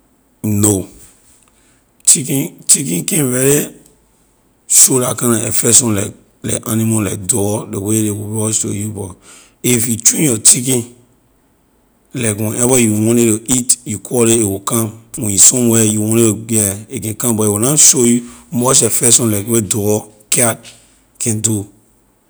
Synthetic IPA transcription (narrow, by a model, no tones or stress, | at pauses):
no | t͡ʃikĩt͡ʃikĩkɛ̃nvɛɾe | ʃolakãnaɛfɛsɔ̃nlɛk | lɛ̰anĩmola̰k̚dɔdewelewubɔʃo̰jubɔ | ifjut͡ʃĩjɔt͡ʃikĩ | lɛkwɔ̃nʔɛbajuwɔ̃neɾoitjukʰɔɾeewukãmɔ̃jisɔ̃mwɛjuwɔ̃neɾoɛekɛ̃nkãmbɔewunaʃojumɔt͡ʃɛfɛsɔ̃nlakwedɔkʰad̚ | kʰɛ̃ndu